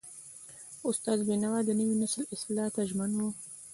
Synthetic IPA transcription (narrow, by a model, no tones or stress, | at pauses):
ʊst̪ɑzbenawad̪ənəwinaslɪslɑt̪aʒmanwu